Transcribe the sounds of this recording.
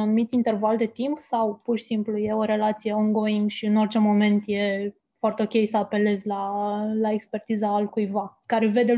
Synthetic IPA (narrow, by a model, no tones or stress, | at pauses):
anumit̪int̪e̞rvald̪e̞t̪impsawpurʃi̥simpluje̞o̞ɾe̞lat̪sije̞oŋɡo̞iŋɡʃiɨno̞rʲt͡ʃe̞mo̞me̞nt̪je̞ | foart̪eo̞kʲe̞jsəape̞le̞zʲlalae̞kspe̞rt̪izaːlkujvakaɾe̞ve̞d̪e̞